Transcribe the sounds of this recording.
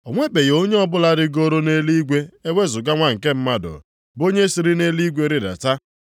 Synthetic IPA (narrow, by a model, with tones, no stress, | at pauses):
o˨ŋʷe˦be˨jo˦ɲe˦ɔ˦bʊ˦la˦ɾɪ˦ɡo˦ɾo˦ne˦li˦ɡʷe˦e˦wʷe˦zʊ˨ɡa˦ŋʷa˦ŋ̩˨ke˦m̩˦ma˦dʊ̰˨ | bo˦ɲe˦si˨ɾi˦ne˦li˦ɡʷe˦ɾɪ˦ɾa̰˨ta˦